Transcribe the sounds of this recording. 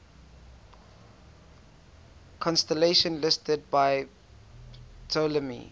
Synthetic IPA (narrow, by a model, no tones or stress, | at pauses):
kʰɔ̃nstəleʃə̃nlɪstəd̚baɪ | tʰoləmḭ